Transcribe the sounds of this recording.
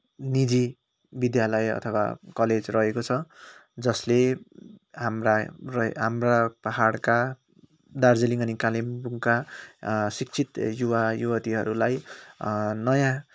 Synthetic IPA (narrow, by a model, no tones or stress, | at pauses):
nid͡zi | bid̪jalʌjʌ̰t̪ʰʌwa̰kʌled͡zrʌɦekot͡sʰʌd͡zʌsle | ɦamrarʌɦamrapaɦaɽka | d̪ard͡zeliŋʌnikalimbuŋka | sikt͡sʰit̪juwajuwʌt̪iɦʌɾulaj | nʌjã